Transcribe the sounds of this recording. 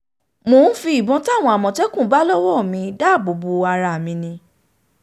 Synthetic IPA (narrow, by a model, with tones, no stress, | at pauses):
moː˨˦n̩˦fi˧i˨bɔ̃˧˦ta˦˨w̃ɔ̃˧a˨mɔ̃˨tɛ˦kũ˦˨˦ba˦lɔ˦wɔ˦˨mĩ˧˦da˦˨bo˨bu˧a˧ɾa˧˨mĩ˧nĩ˧